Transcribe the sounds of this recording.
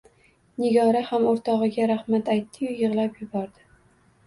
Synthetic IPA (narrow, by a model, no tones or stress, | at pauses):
nɪɡʲɒɾahamoɾt̪ʰɒʁɨɡʲaɾahmat̪ajt̪ʰːɪjʊjɨʁlˠapjɪbɒɾd̪ɪ